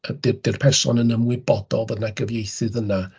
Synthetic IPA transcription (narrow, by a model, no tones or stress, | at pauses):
ədɪd̥ɪrpʰɛrsɔ̰nənəmwɪbɔd̥ɔlˠvədnaɡəvjejθɨðəna